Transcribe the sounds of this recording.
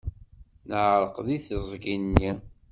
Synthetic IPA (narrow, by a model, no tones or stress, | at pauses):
nəʕɾˤəqðiθəzˤɡinːi